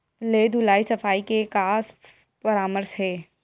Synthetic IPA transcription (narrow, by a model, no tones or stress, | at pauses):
leːd̪ʱulaːisɐfaːikekaːs | pəɾaːməɾsɦɛː